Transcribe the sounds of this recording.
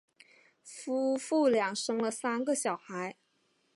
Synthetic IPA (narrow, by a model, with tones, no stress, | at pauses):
fu˥fu˥˩ljɑ˨˩ŋʂɤ˥ŋlə˨sa˥nɡə˨ɕjɑ˨˩ʊxa˧˥ɪ